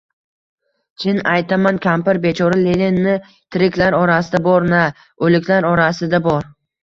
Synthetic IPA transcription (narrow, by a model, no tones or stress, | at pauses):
t͡ʃʰɪnajt̪ʰamankʲʰampɪɾbe̞t͡ʃʰɒɾalelenːɪ | t̪ʰɪɾɪkʲlaɾɒɾasɪd̪abɒɾna | ɵlɪkʰʲlaɾɒɾasɪd̪abɒɾ